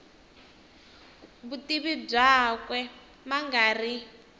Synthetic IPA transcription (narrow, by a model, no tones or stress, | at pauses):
βutiβib͡ʐakwɛ | maŋɡaːri